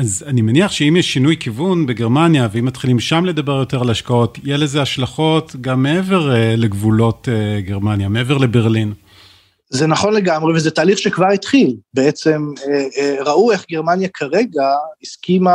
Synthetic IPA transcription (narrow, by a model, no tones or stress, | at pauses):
azanimeniaχʃeimjeʃːinujkivunbeɡe̞ʁmanjaveimːatχilimʃamle̞dabe̞ʁjo̞te̞ʁalhaʃkao̞tjelezeaʃlaχo̞tɡamːeeve̞ʁleɡvulo̞teɡeʁmanjameeveʁlebe̞ʁlin | zenaχo̞nleɡamʁevezetaːliχʃekvaʁit̪χilbeet͡semeʁaʔueχɡeʁmanjakʰaʁeɡaiskima